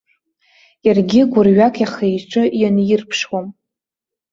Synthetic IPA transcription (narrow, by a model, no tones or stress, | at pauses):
jarɡʲɪɡʷʊrɥakʼʰjaχejʈ͡ʂʷʼɨjanjɪrpʰʂwom